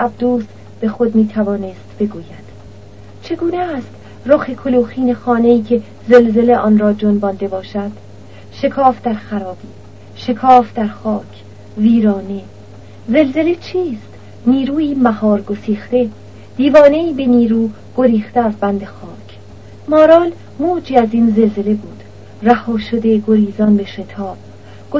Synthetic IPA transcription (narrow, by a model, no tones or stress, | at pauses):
ʔæb̚d̪uːs | b̥e̞xod̪miːt̪ʰævɒːne̞st̪b̥e̞ɡuːjæd̪̥ | t͡ʃʰe̞ɡuːnest̪ | roxekʰoluːxiːne̞xɒːne̞iːcʰe̞ | ze̞lze̞le̞ʔɒːnɾɒːd͡ʒonbɒːnd̪e̞bɒːʃæd̪̥ | ʃe̞kʰɒːfd̪æɾxæɾɒːb̥iː | ʃe̞kʰɒːfd̪æɾxɒːcʰ | viːɾɒːne̞ | ze̞lze̞let͡ʃʰiːst̪ | niːɾuːiːmæhɒːɾɡo̞siːxt̪e̞ | d̪̥iːvɒːne̞iːbe̞niːɾuː | ɡ̥oɾiːxt̪eæzbænd̪exɒːcʰ | mɒːɾɒːl | muːd͡ʒiːæziːnze̞lze̞le̞buːd̪̥ | ræhɒːʃod̪e̞ɡoɾiːzɒnbeʃet̪ʰɒːb̥ | ɡ̥o